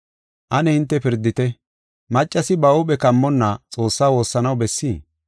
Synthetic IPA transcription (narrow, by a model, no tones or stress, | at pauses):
ʔɐnɛhɪnt̪ːɛpɪɾd̪ːɪt̪ɛ | mɐt͡ʃʼːɐsɪbɐʊpɛkɐmːɔnːɐt͡sʼo̞ːsːaːwo̞ːsːɐnɐwbɛsːiː